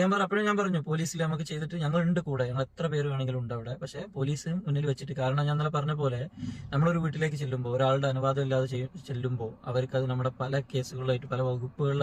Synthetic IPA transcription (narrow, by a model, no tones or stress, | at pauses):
eːmpɐɐpːoːjmɲaːnpɐrɐɲːupo̞ːliːsilnɐmukːɨt͡ɕejt̪iʈːɨɲɐŋːɐɭeɳɖɨkuːɽeeŋːɐɭet̪rɐpe̞ːɾumaːɳe̞ŋɡiluɳɖɐːʋiɽe̞pɐkʂe̞po̞ːliːsɨmmunːilʋɐt͡ɕːiʈːɨkaːɾɐɳɐmɲaːnɐlɐpɐrɐɲːɐp̬o̞ːle̞nɐmːɐɽo̞ɾuʋiːʈːile̞ːk̬ːɨt͡ɕe̞lːumbo̞ːoɾaːɭɽeɐnuʋaːðɐmilːaːðet͡ɕet͡ɕe̞lːumbo̞ːɐʋɐɾkːɐðɨnɐmːuɽe̞pɐlɐke̞ːsuɣɐɭilaːjiʈːɨpɐlɐʋɐɣupːuɣɐɭi